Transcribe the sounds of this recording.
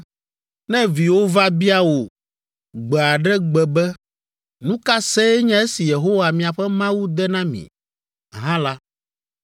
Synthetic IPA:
nɛ̃˦vi˨wo˦va˦bi˦a˦wo˨ | ɡ͡bɛ˨a˨ɖɛ˦ɡ͡bɛ˨bɛ˦ | nũ˦ka˦se˦ɲɛ̃˦e˦si˨je˨ɦo˦wa˨mĩ˨a˨ɸɛ˦mã˦wu˦d̪ɛ˦nã˦mḭ̃˨ | ɦã˦la˦

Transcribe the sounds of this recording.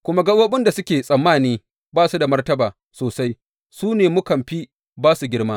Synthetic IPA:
kʷʊ˦ma˦ɡɐ˦wɐ˦ɓɪ˦nda˨sʊ˦kʲeː˨sʼɐ˨mːaː˦˨niː˦ | baː˦su˦da˨mɐ˦rtɐ˦baː˨ | soː˨sa˦j | suː˦neː˨mʊ˦kɐ˨mɸi˦ | baː˦su˨ɡʲɪ˦ɽmaː˦

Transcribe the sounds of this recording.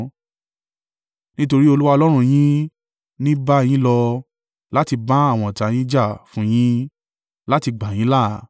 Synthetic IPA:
nĩ˦to˧ɾi˦o˧lu˦wa˧ɔ˧lɔ˦ɾ̃ũ˧j̃ĩ˦ | nĩ˦ba˦˧j̃ĩ˦lɔ˧ | la˦ti˧ba˦a˦˨w̃ɔ̃˨ta˨j̃ĩ˦d͡ʒa˦˨fũ˨˦j̃ĩ˦ | la˦ti˧ɡ͡ba˨j̃ĩ˨˦la˦˨

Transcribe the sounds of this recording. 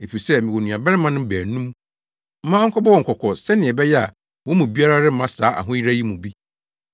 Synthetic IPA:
e˨fi˨i˨sɛ˦mɪ̃˨wo˨nũ˨a˨bɛ˦ɾɪ˦mã˦nʊ̃˦bæː˨nũ˦m | m̩˦mã˦ŋ̩˦kʰɔ˦bɔ˦wɔ˨ŋ̩˨kʰɔ˨kʰɔ˨sɛ˦nɪ̃˨ɛ˨bɛ˦jɛ˦a̰˨ | wɔ˦mũ˨bi˦a˦ɾa˦ɾɪ˦mã˦saː˨˦ʔa̰˨ɦʊ̃˦ji˦ɾa˦ji˦mũ˨bi˦

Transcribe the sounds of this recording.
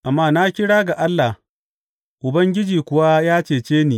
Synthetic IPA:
ʔa˨mːaː˦na˦kʲɪ˦ɽaː˦ɡa˨ʔa˦lːa˨h | ʔʊ˨bɐ˦ŋɡʲɪ˦d͡ʒiː˨kʷʊ˨wa˦jaː˦t͡ʃeː˨t͡ʃeː˦niː˨

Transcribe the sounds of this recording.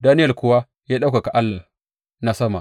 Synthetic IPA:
daː˦nɪ˦jɐ˨kʷʊ˨wa˦ | jaː˦ɗa˦wka˨ka˨ʔa˦lːa˨ | na˦sɐ˦ma˨

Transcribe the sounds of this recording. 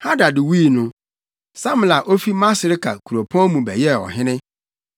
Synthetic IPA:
ha˦da˨dɪ˨wi˦˨nʊ̃˦ | sã˦m˨la˨ʔo˦fi˦ma˦sɪ˨ɾɪ˦kʰa̰˨kʰu˨ɾo˨pʰɔ̃˦mũ˨bɛ̰˨jɛ˦˨ɔ̰˨ɦɪ̃˦nɪ̃˦

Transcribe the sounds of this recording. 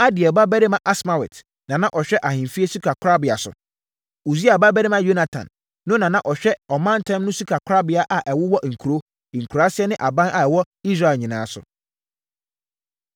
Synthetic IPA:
a˦dɪ˨ɛ˨ba˦bæ˦ɾɪ˦mã˨ʔa˦sma˨wɛ̰˨t | nã˨nã˦ʔɔ˨ɕᶣɛ˦ʔa˨hɪ̃˨nfi˦e˦su˦kʰa˨kʰɾa˦bɪ˨a˨sʊ̰˨ | u˨si˦a˨ba˦bɛ˦ɾɪ˦mã˦jo˦na˨tʰã̰˨nː | ʊ̃˦nã˨nã˦ʔɔ˨ɕᶣɛ˦ɔ˨mã˦n˦tʰɛ̃˦mnʊ̃˦su˦kʰa˨kʰɾa˦bɪ˨a˨ʔa˨ʔɛ˨wʊ˦wɔ˦ʔŋ̩˨kʰu˨ɾo˦˨ | ŋ̩˨kʰu˨ɾa˦sɪ˦ɛ˦nɪ̃˦ʔa˨bã˦nʔa˨ɛ˨wɔ˦ | i˦s̬ɾa˦˨ɛ˨ɲĩ˨nãː˨˦sʊ̰˨

